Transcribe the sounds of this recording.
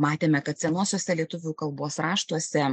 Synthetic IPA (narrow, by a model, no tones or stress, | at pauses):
mɑːt̪ʲeːmʲɛkɐt̪sʲɛnuɔsʲoɔsʲɛlʲiɛt̪ʊʋʲuːkɐlˠboːsɾɑːʃt̪uɔsʲɛ